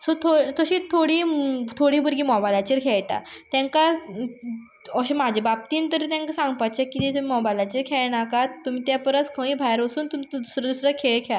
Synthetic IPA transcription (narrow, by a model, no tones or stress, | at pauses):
sot̪ʰot̪əɕiːt̪ʰoɽit̪ʰoɽiːbəɾɡiːmɔbajlat͡ɕiɾkʰɛɭʈa̰t̪jãŋka | əɕimad͡ʑʱebab̚t̪iːnt̪əɾit̪jãŋkasãŋɡpat͡ɕekːit̪et̪umimɔbajlat͡ɕiɾkʰɛɭnakat̪ːum̤iːt̪japəɾəskʰə̃ĩːbʱajɾəsuːnt̪umit̪ud̪usɾəd̪usɾəkʰeɭkʰa